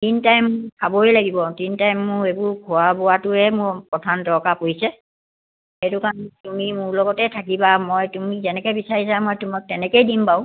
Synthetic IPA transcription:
tintajmkʰaboejlaɡibɔtintajmːʊɹebʊɹkʰɔabɔwatʊɛmʊɹpɔtʰantɔkapojsɛ | etʊkantumimʊɹlɔɡɔtɛtʰakibamɔjtumizɛnɛkɛbisaɹisamɔjtumak̚tɛnɛkejdimpaʊ̃

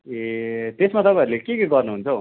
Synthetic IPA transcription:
et̪esmat̪ʌpãɾulekekeɡʌrnuɦunt͡sʰʌ

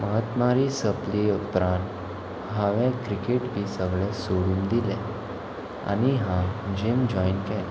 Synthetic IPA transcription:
məɦət̪maɾisəpliupɾãnt̪ | ɦãʋɛ̃kɾikeʈbisəɡɭẽsoɽũːnd̪ilɛ̃ | a̰ɽ̃iɦãd͡ʑemd͡ʑɔinkɛl

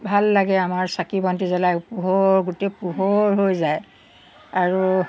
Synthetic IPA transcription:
bʱalːaɡɛamaɹsakibɔntizɔlajpuɦɔɹɡutɛpuɦɔɹɦojzaj | aɹu

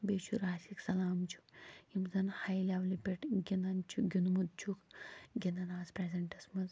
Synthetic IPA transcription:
beːt͡ʃuɾaːsiksɐlaːmt͡ʃʰu̥imzɐnhɐjlʲaʋlipʲeʈɡʲinɐnt͡ʃʰuɡʲunumud̪̚t͡ʃʰukɡʲinɐnaːzpɾezɐɳʈɐsmɐz

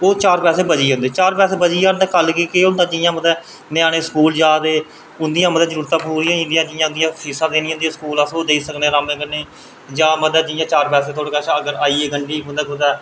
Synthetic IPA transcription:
oːt͡ʃaːɾpɛːseːbəd͡ʒiːɦõːnd̪eːt͡ʃaːɾpɛːseːbəd͡ʒiːaːnd̪aːkəlkiːkeːɦõːnd̪ãːd͡ʒɪjãːməd̪ɛː | nɪjaːneːskuːld͡ʒaːd̪eː | ʊnd̪ijãːməd̪ɛːzəɾuːɾt̪ːãːpuːɾiːãːɪnɖ̪iãːd͡ʒɪjãːʊ̃nd̪ijãːisãːd̪eːniːɦʊ̃nd̪iãːskuːlasoːd̪eiːsəknẽːɾaːmẽːɡəneː | d͡ʒaːməd̪ɛːd͡ʒɪjãːt͡ʃaːɾpɛːseːt̪ʰoːɽːkaʃəɡəɾaːiːeːɡəɳɖiːɦʊ̃nd̪aːkʊd̪ɛː

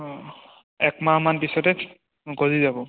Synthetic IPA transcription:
ɛkmamanpisɔtɛ | ɡɔzizabɔ

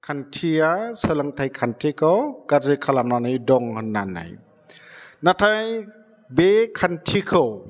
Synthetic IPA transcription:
kʰantʰijasələŋtʰajkʰantʰikʰɔwkazekʰalamnanɯjdɔŋhɯnːanːa̰j | natʰaj | bekʰantʰikʰɯw

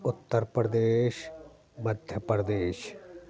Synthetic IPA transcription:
ʊt̪ːəɾpɾɐd̪eːʃ | mɐd̪ʱjəpɾəd̪eːʃ

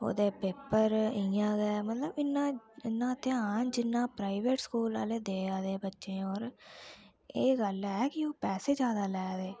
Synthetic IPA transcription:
o̰ːd̪eːpeːpəɾɪjãːɡɛmət̪ləbɪnːãːɪnːãːt̪ɪãːnd͡ʒɪnːãːpɾaːiʋeːʈskuːla̰ːleːd̪eːaːd̪eːbətːʃẽːɔːɾ | eːɡəlɛːkɪoːpɛːseːd͡ʒjaːd̪aːlɛːd̪eː

